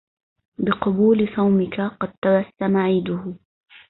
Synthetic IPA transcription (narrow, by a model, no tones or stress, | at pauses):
bɪqɑbuːlɪsˤɑwmɪkaqɑd̪̚t̪ɑɾˤɑsːamaʕiːd̪ʊh